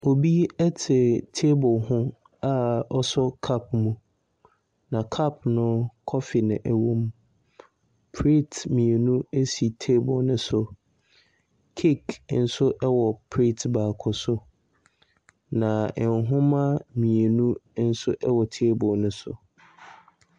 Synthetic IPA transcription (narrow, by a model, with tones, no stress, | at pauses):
o˨bi˦ɛ˦tʰɪ˨tʰe˦bʊ˨ɦʊ̃˦ | a˦ɔ˦sɔ˦kʰa˦pmũ˨ | nã˨kʰa˦˨pʰnʊ̃˦kʰɔ˦fɪ˨nɪ̃˨ʔɛ˨wõ˦m | pʰɾi˦tmĩ˨e˨nũ˦e˦si˨tʰe˦bʊ˨nʊ̃˦sʊ˨ | kʰi˦kn̩˦sʊ˦ʔɛ˦wɔ˨pʰɾi˦tʰba˨kʰʊ˨sʊ˦ | nã˨ɛ˨ŋɦʊ̃˦mã˦mĩ˨e˨nũ˦n̩˦sʊ˦ʔɛ˦wɔ˨tʰe˦bʊ˨nʊ̃˦sʊ̰˨